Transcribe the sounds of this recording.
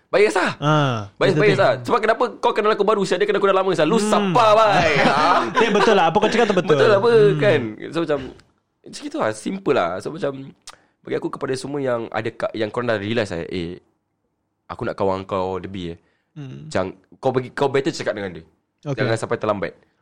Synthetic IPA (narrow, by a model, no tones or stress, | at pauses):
bajəsahabajəsbajs̬asəbap̚kənapəkawkanalakubaɾusiadəkanakunalaməsalusapabajaebət̪ʊlaap̬əkat͡ʃəkat̪̚ːbətb̪əʊlapəkansomat͡ʃam | t͡ʃə̥kit̪ulahsimpəla̰somat͡ʃam | baɡiakukəpadasəm̃əjaŋa̰dakajaŋkuɾaŋndaɾilasa̰j̰ʔḛ | ʔa̰kuna̰ʔkawaŋkawləbiə̰ | t͡ʃa̰ŋkawpəɡikawbɛt̪ət͡ʃəkat̪̚dəŋandu | od͡ʒaŋansampajt̪əlamba̰ɪt̪̚